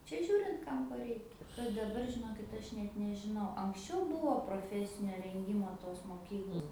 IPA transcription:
ˈt͡ʃʲɛ ˈʒʲuːrʲɪnt ˈkɐm koː ˈrʲɛɪkʲɛ kɐt dɐˈbɐr ʒʲɪˈnoːkʲɪt ˈɐʃ nʲɛt nʲɛʒʲɪˈnɐʊ ɐŋksʲˈt͡ʃʲɛʊ ˈbuːʋoː proːˈfʲæːsʲɪnʲoː rʲɛŋʲˈɡʲiːmoː toːs moːˈkʲiːklˠoːs

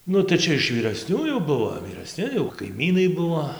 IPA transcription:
ˈnʊ tɐɪ ˈt͡ʃʲɛ ɪʃ ʋʲiːrɐsʲnʲuː jɛʊ ˈbʊʋoː ʋʲiːrɐˈsʲnʲɪ jɛʊ kɐɪˈmʲiːnɐɪ ˈbʊʋoː

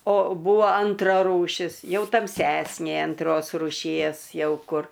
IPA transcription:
oː ˈbuːʋoː ˈɐntrɐ ruːˈʃʲɪs ˈjɛʊ tɐmʲˈsʲæːsʲnʲeː ɐnˈtroːs rʊˈʃʲiɛs ˈjɛʊ ˈkʊr

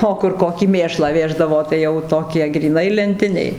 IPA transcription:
ˈoː kʊr ˈkoːkʲiː ˈmʲeːʃlˠɑː ˈʋʲeːʒdɐʋoː tɐɪ ˈjɛʊ ˈtoːkʲiɛ ɡrʲiːˈnɐɪ lʲɛnʲˈtʲɪnʲɛɪ

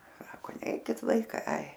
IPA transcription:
ˈsɑːkoː ˈnʲɛɪkʲɪt ˈʋɐɪkɐɪ ɐɪ

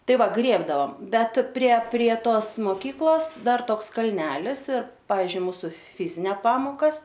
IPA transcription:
ˈtɐɪ ˈʋɐ ˈɡrʲeːbdɐʋɐm ˈbʲɛt pʲrʲiɛ pʲrʲiɛ ˈtoːs moːˈkʲiːklˠoːs ˈdɐr ˈtoːks kɐlʲˈnʲæːlʲɪs ɪr ˈpɑːʋʲɪzʲd͡ʒʲʊɪ ˈmuːsʊ ˈfʲɪzʲɪnʲɛ ˈpɑːmoːkɐs

